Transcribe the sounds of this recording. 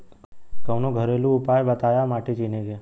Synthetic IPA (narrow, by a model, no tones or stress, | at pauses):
kəwnõɡʱəɾelũʊpajbət̪ajamaʈit͡ʃineɡe